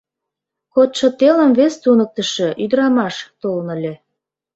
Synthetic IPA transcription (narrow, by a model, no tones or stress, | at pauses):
kot̪ʃə̆t̪elə̆mvest̪unək̚t̪ə̆ʃĕʔyd̪əɾɑmɑʃt̪olnə̆lʲe